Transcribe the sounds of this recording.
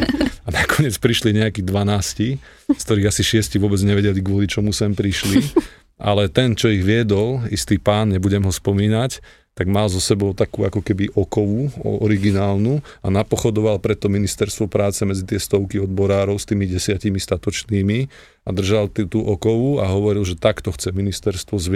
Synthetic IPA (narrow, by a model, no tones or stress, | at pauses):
anakɔɲɪɛt͡spɾiʃliɲɛakiːd̪ʋanaːsci | sk̚t̪ɔɾiːɣasiʃɪɛsciʋʊɔbɛd͡zɲɛʋɛɟɛliɡʋʊɔlit͡ʃɔmusɛmpɾiʃli | ʔa̰lɛt̪ɛnt͡ʃɔiɣʋɪɛd̪ɔlist̪iːpaːnɲɛbuɟɛmɦɔspɔmiːnac | t̪aɡmalzɔsɛbɔʊt̪akuːakɔkɛbiʔɔkɔʋuɔ̰ɔɾiɡinaːlnuanapɔxɔd̪ɔʋalpɾɛt̪ːɔminist̪ɛɾst̪ʋɔpɾaːt͡sɛmɛd͡zit̪ɪɛst̪ɔʊkiɔd̪̚bɔɾaːɾɔʊst̪iːmiɟɛsɪacimist̪at̪ɔt͡ʃniːmi | ad̪r̩ʒalt̪t̪uʔɔkɔʋuaɦɔʋɔɾilʒɛt̪akt̪ɔxt͡sɛminist̪ɛɾst̪ʋɔzʋ